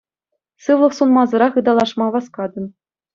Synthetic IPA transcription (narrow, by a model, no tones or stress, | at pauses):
sɯʋlˠɤ̆fsunmɑzɤ̆ɾɑχɯd̪ɑlˠɑʂmɑʋɑskɑd̪ɤ̆n